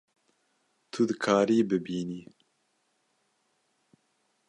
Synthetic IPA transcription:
t̪ʰud̪ɨkʰaːɾiːbɨbiːniː

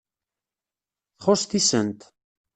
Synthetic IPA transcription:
θχost̪isənt̪

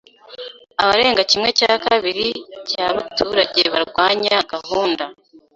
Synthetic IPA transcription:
aβaɾe̞ːŋɡacimŋe̞cakaβiɾicaβatʰuːɾaɟeβaɾɡwaːɲaɡahuːnda

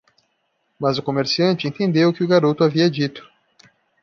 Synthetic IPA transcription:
mɐzʊkomeɾsiɐ̃nt͡ʃɪẽnt̪ẽnd̪ewʊkɪʊɡaɾot̪ʊaviɐd͡ʒit̪ʊ̥

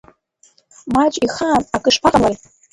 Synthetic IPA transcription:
mat͡ʃʼiχaːnakʼɨʂpʰaqʼamar

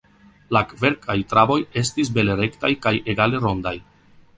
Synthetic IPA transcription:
lakve̞ɾkʰajtɾabo̞je̞s̬tis̬be̞leɾe̞ktajkaje̞ɡale̞ɾo̞ndaj

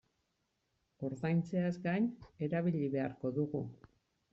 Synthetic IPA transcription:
o̞ɾðajnt͡se̞azɡajne̞ɾaβiʎiβe̞aɾko̞ðuɣu

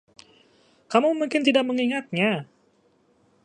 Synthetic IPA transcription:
kamumuŋkɪnt̪idak̚məŋiŋat̪̚ɲa

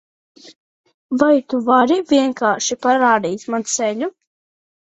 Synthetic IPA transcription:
vajt̪uvaɾivʲiɛŋkaːɾʃipaɾaːd̪iːsmansɛʎʲu

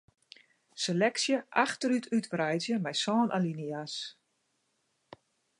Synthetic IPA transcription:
selɛksjəʔaxtəɾytʰytʋrɛjzjəmɛjsɔːnʔalinias

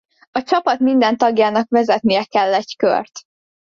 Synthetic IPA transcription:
ɒt͡ʃɒpɒt̪mind̪ɛnt̪ɒɡjaːnɒkvɛzɛt̪nijɛkɛlːɛɟkø̰rt̪

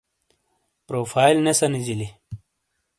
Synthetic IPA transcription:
pɾoːfaːilnesɐnid͡ʑili

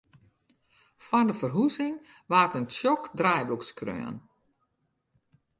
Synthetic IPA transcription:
fɔndəfərɦuzɪŋ | ʋaːtənʃjɔkdrajbukskrø̰ən

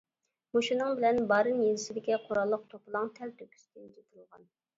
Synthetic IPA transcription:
moʃinɨŋbɪlɛnbɑːɾɨnjenɪsɪd̪ɪkʲiqʰoɾɑlˠːəq̚t̪ʰoplˠɑŋt̪ʰɛlt̪ʰøkʲy̥st̪ʰɪnt͡ʃʰet̪ʰlˠʁɑ̰n

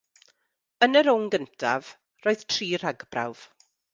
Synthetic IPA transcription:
ənəɾʊŋɡəntʰa̰v̥ | roːɨð̥tʰriːr̥aɡbra̰wv̥

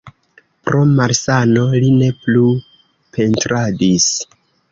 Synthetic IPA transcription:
pɾo̞maɾsano̞line̞plu | pʰe̞ntɾadis

